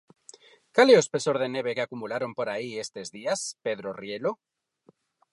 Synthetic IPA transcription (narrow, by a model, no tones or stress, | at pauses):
kaleospe̞so̞ɾðe̞ne̞β̞e̞keakumulaɾo̞mpo̞ɾaie̞st̪e̞zðiaspe̞ð̞ɾorje̞lo